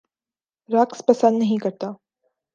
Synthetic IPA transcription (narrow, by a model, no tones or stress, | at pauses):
ɾaːkspɐsə̃nd̪nɐɦĩkɐɾt̪aː